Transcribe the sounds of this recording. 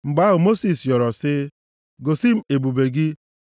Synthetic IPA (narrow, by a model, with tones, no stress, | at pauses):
ŋ͡m̩˨ɡ͡ba˦ɣʊ˨mo˦si˨sjɔ˨ɾɔ˨sɪ˦ | ɡo˨si˦m̩˦e˨bu˨be˨ɡɪ˦